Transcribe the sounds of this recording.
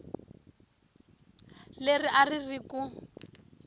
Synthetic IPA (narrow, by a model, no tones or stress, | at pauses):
leriʔaririku